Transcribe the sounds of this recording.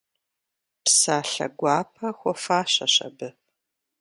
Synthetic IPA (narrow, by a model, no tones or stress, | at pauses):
psaːɬɐ̰ɡʷɑːpʰɐxʷɔfaːɕɐɕɐ̰bɨ